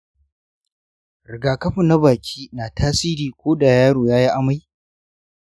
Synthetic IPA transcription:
ɾɪ˨ɡaː˨kɐ˦ɸɪ˦˨nːa˦baː˨kʲʰiː˦naː˨tʰaː˦siː˦ɾiː˨kʷoː˦ɗa˨jaː˦ɽoː˨jaː˦ji˦ʔa˦ma˦j

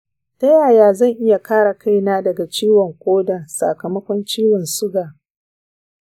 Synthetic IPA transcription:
tɐ˦jaː˨jaː˨zɐ˦˨ŋʔɪ˦ja˨kaː˦ɽa˨ka˦jnaː˦dɐ˨ɡa˨t͡ʃiː˦wɔ˨ŋkʷʼoː˦da˨sa̰˨kɐ˨mɐ˦kʷɔ˦nt͡ʃiː˦wɪ˨nsʊ˦ɡaː˨

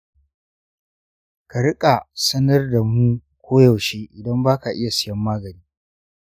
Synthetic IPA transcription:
ka˨ɽɪ˦kʼa˨sɐ˦nɐ˦rda˨muː˦kʷʰoː˦jɐ˨wʃeː˦ʔɪ˨dɐ˦mbaː˦ka˨ʔɪ˦ja˨sɪ˨jɐ˦mːaː˦ɡɐ˨niː˦

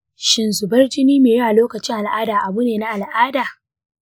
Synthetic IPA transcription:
ʃɪ˨nzʊ˨bɐ˦rd͡ʒɪ˦niː˦meː˨jɐ˦a˨loː˦kɐ˨t͡ʃɪ˦ŋʔa˨lʔaː˦daː˨ʔa˨bu˦neː˨na˦ʔa˨lʔaː˦daː˨

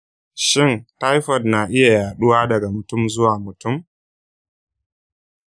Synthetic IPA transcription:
ʃɪ˦˨nta˦jɸɔ˨dna˨ʔɪ˦ja˨jaː˨ɗʊ˦waː˦dɐ˨ɡa˨mʊ˨tʊ˦mzʊ˦waː˨mʊ˨tʊ˦˨m

